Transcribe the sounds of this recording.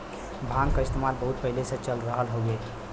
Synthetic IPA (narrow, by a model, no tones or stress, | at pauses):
bʱãŋkaɪst̪emalbəɦut̪̚pəɦileset͡ʃəlɾəɦəlɦoɡe